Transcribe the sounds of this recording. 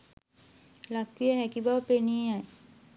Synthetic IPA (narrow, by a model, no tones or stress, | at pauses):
lakwijaɦɛkibawpeniaj